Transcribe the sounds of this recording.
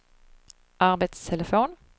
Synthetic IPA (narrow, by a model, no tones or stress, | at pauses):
ʔɑʁbət̪st̪ʰɛləfoːn